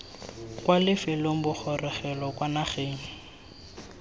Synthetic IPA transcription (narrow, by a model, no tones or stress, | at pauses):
kwalɪfɛloŋ̩bʊk͡xʰɔrɛχɛlɔkwanaχeːŋ̩